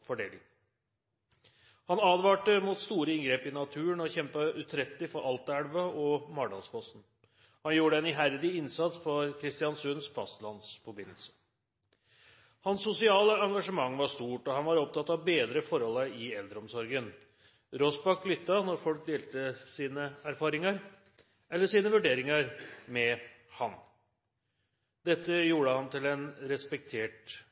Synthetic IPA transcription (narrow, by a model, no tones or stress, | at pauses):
fɔɖeːlɪŋ | hɑnɑːd̪ʋɑːʈəmuːt̪st̪uːɾəɪŋɡɾeːpɪnɑt̪ʰʉːəɳɔçɛmpəʉt̪ʰɾɛt̪lɪfɔɾɑlt̪æɽʋəɔmɑɖ̪ɑnsfɔst̪n̩ | hɑnjuːɾəɛnɪɦæɾd̪ɪɪnsɑt̪sfɔɾkʰɾɪst̪ɪɑnsʉnsfɑst̪lɑnsfɔɾbɪnəlsə̥ | hɑnsːʊsɪɑːləɑŋɡɑʂəmɑŋːʋɑʂt̪uːʈɔhɑnʋɑɾɔp̚t̪ʰɑt̪ːɑʋbeːd̪ɾəfɔɾhɔləɪɛld̪ɾɔmsɔɾɡən | ɾɔsbɑklʏt̪ːɑnɔɾfɔlk̚d̪eːlt̪əsiːnəæɾfɑːɾɪŋəɾ | ʔɛlːəʂiːnəʋʉɖeːɾɪŋɑɾmɛ | hɑn | d̪ɛt̪ːəjuːɽəhɑnt̪ɪlɛnɾɛspɛk̚t̪ʰeːʈ